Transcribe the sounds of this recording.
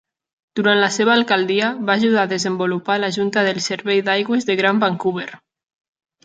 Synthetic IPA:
d̪̥uɾant̪laseβaːlkald̪iaβaːʒuð̞aðezembolupalaʒunt̪aðelˠseɾβejðajɣwezðeɣɾambaŋkuβeɾ

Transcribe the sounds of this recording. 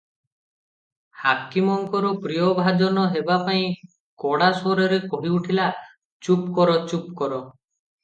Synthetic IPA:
hakimɔŋkɔɾɔpɾijɔbʱad͡ʒɔnɔɦebapaĩ | kɔɽasoɾɔɾekoɦiuʈʰila | t͡ʃupkɔɾɔt͡ʃupkɔɾɔ

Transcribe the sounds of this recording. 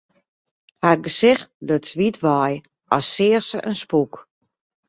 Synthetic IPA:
harɡəsɪxtløtsʋitʰʋɔj | ʔɔsːɪːərsəʔənspuk

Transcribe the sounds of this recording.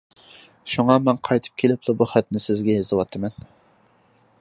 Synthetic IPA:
ʃuŋɑmɛnqʰɑjt̪ʰɨ̥p̚kʲʰelɪplˠɨbuχæt̪nɪsɪzɡʲɛjezɨwɑt̪ʰːɨmɛn

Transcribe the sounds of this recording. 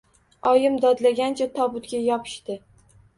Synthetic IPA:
ɒjɪmd̪ɒd̪laɡʲant͡ʃʰat̪ʰɒbʊt̪ɡʲajɒpʰɪ̥ʃt̪ɪ

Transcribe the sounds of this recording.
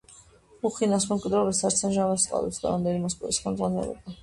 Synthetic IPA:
uχinas̬mɛmkʼwid̪ɾɔvɛsaɾt̪sʰɛnʒavast̪ʼqʼa̰lɛ̰psd̪a̰ɾamd̪ɛnimɔspʼɛ̰lisχɛlˠd̪zʁanɛ̰lɛ̰ba

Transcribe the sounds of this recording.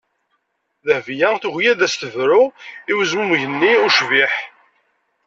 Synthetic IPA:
ðəhvjæθuʝjæðæst̪əvɾuiwəzmumʝənːiuʃviħ

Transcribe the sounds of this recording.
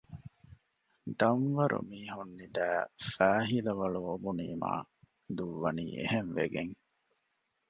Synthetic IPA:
d̪ɐmʋɐɾʔṵmiːɦunːid̪æːfæːɦilɐʋɐɭuʋobuniːma̰ː | d̪uʋːɐnḭːḛhenʋeɡeŋ

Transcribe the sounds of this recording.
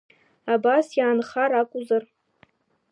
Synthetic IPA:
abasjaːnχaɾakʷʼuzar

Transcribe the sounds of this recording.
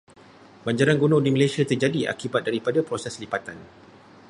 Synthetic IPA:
baɲd͡ʒaɾanɡonɔ̃dimãlajsiat̪ərd͡ʒadia̰kibat̪̚daɾipadapɾosɛslipat̪an

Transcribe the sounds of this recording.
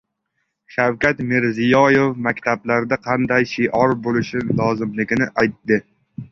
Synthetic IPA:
ʃawkʲat̪mɪɾzɪjɒjefmakʲt̪ʰablaɾd̪aqʰɑnd̪ajʃɪʔɒɾbolɪʃɪlɒzɪmlɪɡʲɪnɪʔajt̪ːɪ

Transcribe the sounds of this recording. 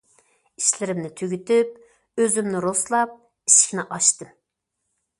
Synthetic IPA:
iʃlɪɾɪmnɪt̪ʰøɡʲyt̪yp̚ | øzymnɪɾoslˠɑp̚ | iʃi̥kʲnɪʔɑʃt̪ɨm

